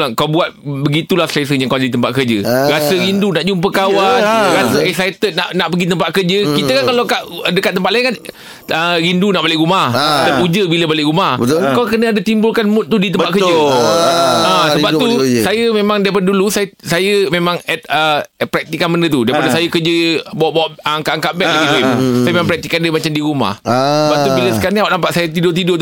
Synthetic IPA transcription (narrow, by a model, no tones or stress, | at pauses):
lakawbuat̪̚bəɡit̪ulahsɾes̬əɲakawd͡ʒadit̪əmpat̪̚kərd͡ʒəɾasəɾindunaʔd͡ʒump̬əkawanɾasəɛsajət̪ət̪̚naʔnaʔpəɡit̪əmpat̪̚kəd͡ʒəkit̪əkankalakaʔədəkat̪̚ːəmpat̪laiŋkan | əɾindunaʔbolɪʔɾumahadəpud͡ʒəbiləbolɪʔɾumahəkawkənəadat̪imbʊlkanmʊt̪̚t̪ːudit̪əmpaʔ̪kəd͡ʒə | ãsəbap̚t̪usajəmemãŋdajpadədulusajsajəmemãŋɛt̪̚əpɾɛk̚t̪ikːanmənət̪udajpadəsajəkəd͡ʒəbawʔbwaʔŋkaʔaŋkaʔbɛʔ̚lailiajəmemãpɾɛk̚t̪ikandəmat͡ʃamdiɾuma̰hsəbat̪ubiləsəkaɾaniawʔnampaʔsajət̪idʊt̪̬idot̪